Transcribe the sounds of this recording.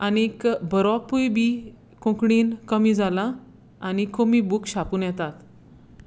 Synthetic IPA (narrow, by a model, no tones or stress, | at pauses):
anikbəɾwapujbiː | kõkɽiːnkəmiːd͡zala | anikomibukɕapuːnjɛt̪at̪